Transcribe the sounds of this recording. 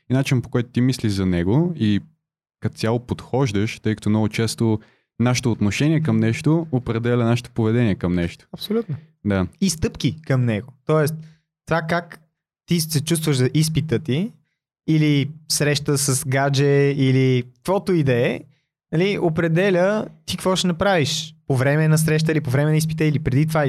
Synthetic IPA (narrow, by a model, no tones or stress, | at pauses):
inat͡ʃinpo̥kɔjt̪ʊ̥t̪imisliʒzɐnɛɡoi | kɐt̪sʲalˠopot̪xɔʒd̪əʃt̪ɤjkə̥ɐt̪ɔmnɔɡʊt͡ʃɛst̪o | naʃɪ̥t̪oːt̪noʃɛnʲiɛkəmnɛʃt̪oopɾɛd̪ɛlʲənaʃt̪o̥povɛd̪ɛnʲiɛkəmnɛʃt̪o̥ɐpsolʲut̪no | d̪aist̪ɤpk̟ikəmnɛɡot̪ɔɛst̪ | t̪ovakak | t̪isɛt͡ʃust̪vəʒzɐʔispit̪ət̪iː | lisɾɛʃt̪əsəsɡad͡ʒɛili̥kvɔt̪oid̪ɛ | nɐliopɾɛd̪ɛlʲət̪ikkvɔʃɛnɐpɾaviʃpovɾɛmɛnɐs̬ɾɛʃ̬t̪əilipovɾɛmɛnispit̪əilipɾɛd̪it̪ova